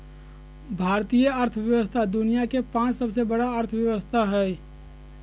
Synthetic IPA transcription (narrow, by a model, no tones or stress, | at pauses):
bʱaːɾt̪ijəəɾt̪ʰəʋjəʋəst̪ʰad̪ʊnijakepãːt͡ʃsəbsebəɽaəɾt̪ʰəʋjɐʋəst̪ʰaɦɛː